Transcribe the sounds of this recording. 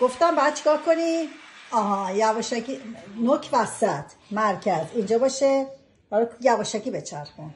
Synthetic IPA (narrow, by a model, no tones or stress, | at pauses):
ɡ̥o̞ft̪æmbɛæd̪̚t͡ʃʰi̥kɒːɾkʰoniɒːɦɒjævɒːʃækinocʰvæsæt̪ʰmæɾcʰæzind͡ʒɒːbɒːʃe | hælkjæbɒʃæcibet͡ʃʰæɾxun